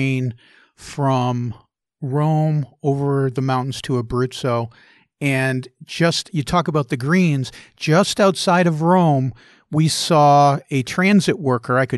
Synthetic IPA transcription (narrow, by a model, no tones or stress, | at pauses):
n | fɹʌ̃m | ɹõʊ̃moʊvə˞ðɨmãʊ̃ʔn̩z̥tʰəːbɹʉsoʊ | ɨ̃nd͡ʒʌstjɨtʰɔkəbaʊt̪̚ðɨɡɹĩnz̥d͡ʒʌstaʊtsaɪɾʌvɹõʊ̃m | wisɔɨtʰɹ̥æ̃nzɨʔ̚wɜ˞kʰə˞aɪkɨ